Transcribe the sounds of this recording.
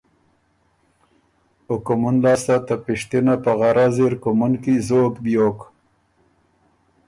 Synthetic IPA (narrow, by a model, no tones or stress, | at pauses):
ʊkʊmunlɑːst̪at̪apiʂt̪inapaɣaɾazeɾkʊmʊnkizokbjoːk